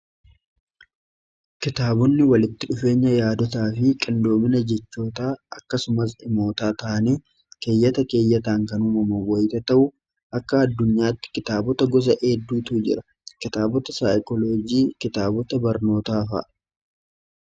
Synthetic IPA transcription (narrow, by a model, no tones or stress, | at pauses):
kɪt̪aːbɔnːɪwɐlɪt̪ːɪᶑʊfe̞ːɲːɐjaːd̪ɔt̪aːfɪkʼɪnd̪o̞ːmɪnɐd͡ʒɛt͡ʃːo̞ːt̪aːʔɐkːɐsʊmɐs̬ɪmo̞ːt̪aːt̪ɐʔɐniː | ke̞ːjːɐt̪ɐke̞ːjːɐt̪aːŋkɐnumɐmɐwɔjt̪ɐt̪ɐʔʊ | ʔɐkːɐːd̪ːʊɲːaːt̪ːɪ̥kɪt̪aːbɔt̪ɐɡɔs̬ɐʔeːd̪ːuːt̪uːd͡ʒɪ̰ɾɐ̥ | kɪt̪aːbɔt̪ɐsaːjkɔloːd͡ʒiːkɪt̪aːbɔt̪ɐbɐɾno̞ːt̪aːfɐ̰ʔ